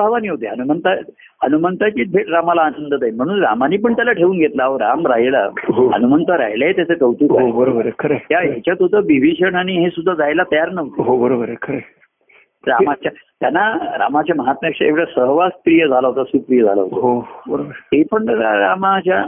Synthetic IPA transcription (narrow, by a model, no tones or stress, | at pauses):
bʱaʋaniːɦot̪eɦənumənt̪a | hənumənt̪at͡ɕiːt̪̚bʱeʈɾamalaːnənd̪ʱət̪ajnm̤əɽ̃uːnɾamaniːp̬əɳt̪jalaʈʰeʋuːnɡʱet̪laoɾamɾaɦila̰ɦoɦə̰numənt̪aɾa̰ɦjlaet̪jat͡sʰek̪əʋt̪uːkaɦoebəɾobəɾekʰəɾet̪jaɦjet͡ɕjat̪od̪ʱəʋiʋiɕəɳaɽ̃iɦesud̪ʱːad͡zajlat̪əjaɾnəʋ̪ɦobəɾobəɾekʰəɾe | ɾa̰mat͡ɕjat̪janːaɾa̰mat͡ɕjaməɦat̪makʂəḛkʋɽjasəɦʋaspɾijəd͡zʱalaɦot̪asuːpɾijəd͡zʱala̰ɦo̰t̪ɦobəɾobəɾt̪epəɳɾaɾamat͡ɕja